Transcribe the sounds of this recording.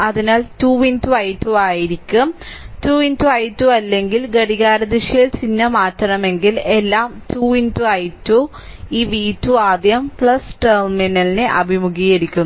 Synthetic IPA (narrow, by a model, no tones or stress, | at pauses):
ɐðinaːltuːʋintuɐjtːuaːjiɾikʲːumtuːʋintuɐjtːuɐlːe̞ŋɡilɡɐɽiɣaːɾɐd̪iʂɐjɐlt͡ɕinːɐmaːtːɐɳɐme̞ŋɡilelːaːmtuːʋintuɐjtːu | iːʋiːtːuaːd̪jɐmpɭɐsʈɐrminɐlineʔɐbʱimuɣijeɾikʲːun